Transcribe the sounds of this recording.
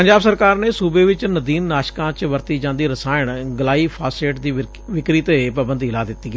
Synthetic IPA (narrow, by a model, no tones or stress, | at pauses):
pəɲd͡ʒaːbsəɾkaːɾneːsuːbeːʋɪt͡ʃnəd̪iːnːaːʃkãːt͡ʃʋəɾt̪iːd͡ʒãːnd̪iːɾəsaːəɳɡəlaːiːpʰaːseːʈd̪iː | ʋɪkɾiːt̪epəbənd̪iːlaːd̪ɪt̪ːiːɡ